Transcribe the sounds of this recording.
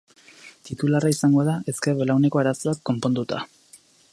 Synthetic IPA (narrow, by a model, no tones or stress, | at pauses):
t̪it̪ularaisaŋɡo̞aðaʔe̞skeɾβelawne̞ko̞aɾasoβakko̞mpo̞nd̪ut̪a̰